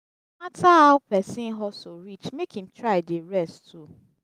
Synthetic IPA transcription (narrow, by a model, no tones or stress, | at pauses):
matʰahaʊpʰɛsĩnɦɔsoɾit͡ʃmekhĩmtʰɹaɪdeɹɛstʰu